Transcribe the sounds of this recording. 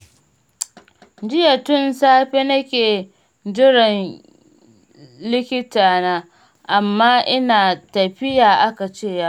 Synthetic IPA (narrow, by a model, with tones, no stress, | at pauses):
d͡ʒɪ˦ja˨tʊ˦˨nsaː˦ɸeː˦nɐ˦kʲeː˨ | d͡ʒɪ˦ɽɪ˨n | lɪ˦kʲɪ˦taː˨naː˦ | ʔa˨mːaː˦ʔɪ˦naː˨tɐ˨ɸɪ˦jaː˨ʔa˦ka˨t͡ʃeː˦˨ja˦ʔ